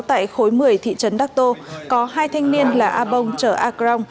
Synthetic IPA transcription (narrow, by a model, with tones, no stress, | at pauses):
t̪a̰ː˧˨jxo˨˦jmɨ˨˩əjt̪ʰḭ˧˨t͡ɕə˨˦nɗaː˦˥k̚t̪o˧kɔ˨˦ɦaː˧jt̪ʰa˧jŋ̟ni˧ənlaː˨˩ʔaː˧ɓə˧wŋ͡mt͡ɕəː˧˩ʔaː˧kza˧wŋ͡m